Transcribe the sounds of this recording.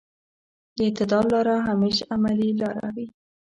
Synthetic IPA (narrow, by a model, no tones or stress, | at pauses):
d̪əɪt̪ɪd̪ɑlɑɾaɦameʃamalilɑɾa̰wi